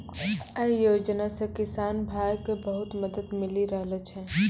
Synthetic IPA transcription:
əjoːd͡ʒnasekɪsaːnbʱaːjkebəɦʊt̪mɐd̪əd̪mɪliɾəɦlət͡ʃʰɦɛː

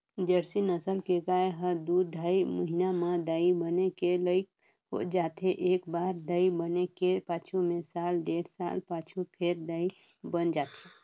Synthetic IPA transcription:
d͡ʒəɾsinəsəlkeɡaːeɦəɾd̪uɾd̪ʱaːiməɦinamãd̪aːibənekeləɪk̚ | ɦo̰d͡ʒaːt̪eʔeːkbaːɾd̪aibənekepaːt͡ʃʰumẽsaːlɖeːɽsa̰ːlpaːt͡ʃʰupʰeɾd̪ai | bənd͡ʒaːt̪e

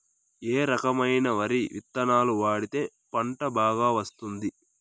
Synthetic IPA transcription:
eːɾɐkɐmɐjnɐʋɐɾiʋit̪ːɐnaːluʋaːɽit̪e̞ː | pɐɳʈɐbaːɡaːʋɐst̪und̪i

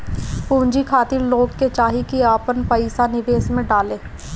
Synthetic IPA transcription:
pũːɲd͡ʒikʰaːt̪ɪɾloːɡket͡ʃaːɦikiaːpənpəɪsanɪʋeːsmẽɖaːleː

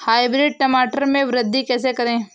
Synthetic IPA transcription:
haːɪbɾɪɖ̚ʈɐmaːʈəɾmẽʋɾəd̪ʱːikɛːs̬ekɐɾẽː

